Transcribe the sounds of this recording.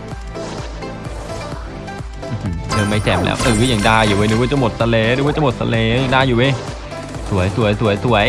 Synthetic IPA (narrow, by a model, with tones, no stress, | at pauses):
ʔ̩ː˧˩h̩˧leː˧˩ma˧˥˩jt̪ɛː˨˩mlɛ̰ː˧˥wʔɨ˨˩˦jaː˨˩ŋdaː˧˩juː˨˩ʔeː˧˩nː˧˦kɔ˧˩t͡ɕa˧˩mo˨˩t̪̚sa˧leː˧˩nɨː˧˦kɔː˧˥˩t͡ɕa˧˩mo˨˩t̪sʰa̰˧leː˧˦jaː˨˩ŋdaː˧˩juː˨˩ʔe˧˩j | su˨˩˦əjsu˨˩˦ɐəjsu˨˩˦ɐjsu˨˩˦əj